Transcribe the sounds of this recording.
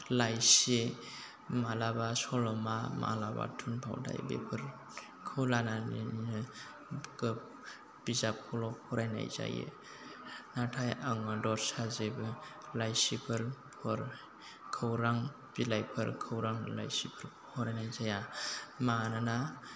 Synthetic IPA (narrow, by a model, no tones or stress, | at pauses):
lajse | malabasɔlɔmama̰laba̰tʰunpʰa̰wda̰jbḛpʰɯɾ | kʰɯwlananḭninɯ | kɯ | b̥izakʰɔlɔpʰɔɾajna̰jza̰jḛ | natʰajaŋadɔɾsazebɯ | lajsipʰɯɾpʰɔɾ | kʰɯwɾaŋ | b̥ilajpʰɯɾkʰɯwɾaŋla̰jsipʰɯɾ | pʰɔɾajnajzajamanana